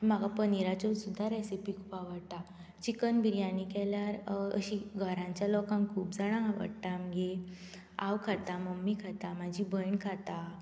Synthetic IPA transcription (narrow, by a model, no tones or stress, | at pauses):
m̤aɡapəniɾat͡ɕɔsud̪ʱːaɾɛsipikʰupaʋəɽt̪a | t͡ɕikənbʱiɾjanikɛljaɾə̰ɕiɡʱəɾãɲt͡ɕjalɔkãŋkʰuːpd͡zaɽ̃ãʋə̰ɽʈ̪amɡe | a̰ʋkʰat̪aməmːikʰat̪am̤ad͡ʑibəjɳkʰat̪a